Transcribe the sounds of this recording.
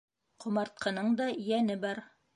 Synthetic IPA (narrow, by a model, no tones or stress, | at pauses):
qʰŏmɑɾt̪̚qʰɤ̆nɤɴd̪ɑjænɘbɑɾ